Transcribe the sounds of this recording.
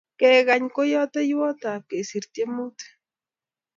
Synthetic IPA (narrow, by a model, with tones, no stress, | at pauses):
ke˦ɣa˨ɲko˦jo˦t̪e˦jo˦t̪a˨ke˨si˨ɾt̪je˦mu˦t̪e̥